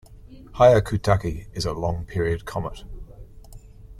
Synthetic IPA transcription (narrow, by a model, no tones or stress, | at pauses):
haɪəkʰʉtʰakiɪzəlˠɔ̃ŋpʰiɹiəd̥̚kʰɒməʔ